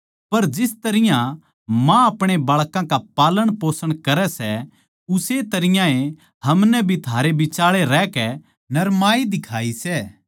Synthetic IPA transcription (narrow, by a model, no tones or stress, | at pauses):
pɐɾd͡ʒɪst̪ɐɾɪjã | mãɐpɽ̃ebaːɭkãkapaːləɽ̃poːsəɽ̃kɐɾɛsɛ | ʊset̪ɐɾɪjãẽ | hɐmnɛbʱit̪ʰaːɾebɪt͡ʃaːɭeɾɛːkɛ | nɐɾmaːid̪ɪkʰaːisɛː